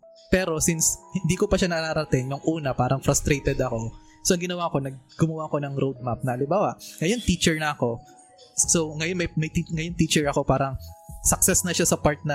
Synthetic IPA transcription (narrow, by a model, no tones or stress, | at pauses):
pɛːɾo̞sinshɪnd̪iːkopɐʃanɐɾaɾɐt̪ɪŋjʊŋʔuːnɐpaːɾɐŋfɾɐst̪ɾejt̪ɛd̪ɐko̞ | soʔɐŋɡɪnɐwako̞nɐɡ̚ɡʊmɐwaʔɐko̞nɐŋɾod̪̚map̚nɐhɐlɪmbaːwɐʔŋɐjo̞nt̪it͡ʃɛɹnɐɐko̞ | soŋɐjonmɐjmɐjt̪iŋɐjont̪iːt͡ʃɛɹɐko̞paːɾɐŋsɐk̚sɛsnɐʃasɐpaɹt̪̚nɐ